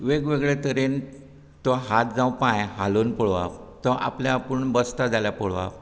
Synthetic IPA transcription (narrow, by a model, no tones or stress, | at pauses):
ʋeɡʋeɡɭet̪əɾen | t̪ɔɦat̪̚d͡zãw̃pãjɦalunpɔɭʋa̰ʋt̪ɔʔa̰pljapəɳbəst̪ad͡zaljapɔɽʋa̰ʋ